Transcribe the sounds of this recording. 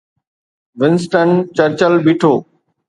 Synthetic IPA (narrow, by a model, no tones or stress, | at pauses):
ʋɪnsʈənt͡ɕəɾt͡ɕəlbiːʈʰoː